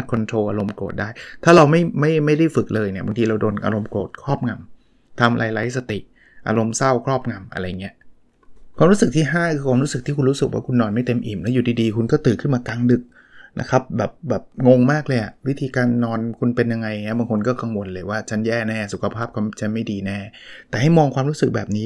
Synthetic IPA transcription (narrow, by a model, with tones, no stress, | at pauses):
a˦t̪̚kʰo˧nt̪ʰɾoː˧ʔa˧ɾo˧mkoː˨˩t̪̚daː˥˩jt̪ʰaː˥˩ɾa˧wma˥˩jma˥˩jma˥˩jda˥˩jfɯ˨˩k̚lɤː˧jni˥˩ɐba˧ŋt̪ʰiː˧ɾa˧wdoː˧nʔa̰˧ɾo˧mkoː˨˩t̪̚kʰɾɔː˥˩p̚ŋa˧m | t̪ʰa˧mɾʔa̰ː˧jla˦˥j̚sa˧t̪i˨˩ʔ | ʔa̰ː˧ɾo˧msa˥˩wkʰɾɔː˥˩p̚ŋa˧mʔa̰˧ɾa˧jːa˨˩ŋːi˦˥ʔ | kʰwaː˧mɾu˦˥sɯ˨˩k̚t̪ʰiː˥˩ɦaː˥˩ɯː˧kʰwaː˧mɾuː˦˥sɯ˨k̚t̪ʰiː˥˩kʰu˧nɾu˦˥sɯ˨˩k̚wa̰ː˥˩kʰu˧nːɔː˧nma˥˩jt̪e˧mʔiː˨˩mlɛ˦˥juː˨˩diː˧diː˧kʰu˧nkɔː˥˩t̪ɯː˨˩kʰɯ˥˩nmaː˧ka˧ŋdɯ˨˩k̚ | nʔa̰˦˥kʰa˦˥p̚bɛː˨˩p̚bɛː˨˩p̚ŋo˧ŋmaː˥˩k̚lɤː˧jʔa̰˨˩ʔwi˦˥t̪ʰiː˧kaː˧nːɔː˧nkʰu˧npe˧nja˧ŋːa˧jŋi˦˥˩baː˧ŋkʰo˧nkɔː˥˩ka˧ŋwo˧nlɤː˧jwaː˥˩t͡ɕʰa˦˥njɛː˥˩nɛː˥˩su˨˩kʰa˧pʰaː˥˩p̚kʰɔ˧˥˩m˥t͡ɕʰa˦˥nma˥˩jdiː˧nɛː˥˩t̪ɛː˨˩ha˥˩jmɔː˧ŋkʰwaː˧mɾu˦˥sɯ˨˩k̚bɛ̰ː˨˩p̚niː˦˥